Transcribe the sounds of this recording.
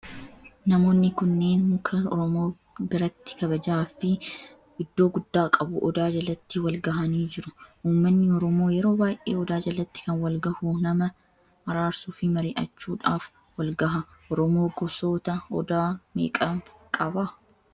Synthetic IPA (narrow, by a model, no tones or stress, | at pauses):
nɐmo̞ːnːɪkʊnːe̞ːnmʊkʰɐɔɾɔmo̞ː | bɪɾɐt̪ːɪ̥kɐbɐd͡ʒaːfɪ | ɪd̪ːo̞ːɡʊd̪ːaːkʼɐbʊʔɔd̪aːd͡ʒɐlɐt̪ːɪwɐlɡɐɦɐniːd͡ʒɪɾʊʔuːmːɐnːɪɔɾɔmo̞ːjɛɾo̞ːbaːjʔḛːɔd̪aːd͡ʒɐlɐt̪ːɪ̥kɐnwɐlɡɐhunɐmɐ | hɐɾaːɾsuːfɪmɐɾɪːʔɐt͡ʃːuːᶑaːf | wɐlɡɐɦɐʔɔɾɔmo̞ːɡɔso̞ːt̪ɐɔd̪aːmḛːkʼɐkʼɐbɐ